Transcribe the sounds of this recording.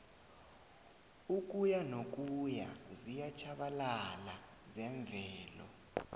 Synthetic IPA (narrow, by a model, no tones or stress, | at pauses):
uk̬ʼujanok̬ʼuja̰zijat͡ʃʰaɓalala | zɛɱb̪vʱɛːlɔ̰